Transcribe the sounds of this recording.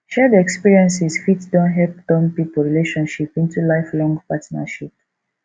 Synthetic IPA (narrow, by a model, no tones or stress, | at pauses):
ʃɛdiɛkspiɹiɛ̃nsisfitdɔ̃nɦɛlp̚tɔ̃mpipoɹileʃɔ̃nʃipĩntulaɪflɔ̃ŋɡpatna̰ʃip̚